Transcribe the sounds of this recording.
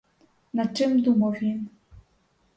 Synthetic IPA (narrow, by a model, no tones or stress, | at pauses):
nat͡ʃɘmd̪umovin